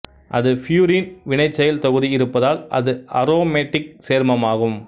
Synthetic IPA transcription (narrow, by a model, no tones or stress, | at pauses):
ʔɐðɯfjuːɾiːnʋɪɳɐɪt͡ʃːɐjɪlt̪ɔɣɯðiɪɾɯpːɐðaːlʔɐ̰ðɯɐɾoːmeʈːɪk̚seːɾmɐmaːɣɯm